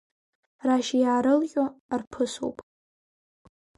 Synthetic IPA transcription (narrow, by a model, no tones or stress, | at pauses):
raʃjaːɾɨlχʲʼorpʰɨso̰wpʼ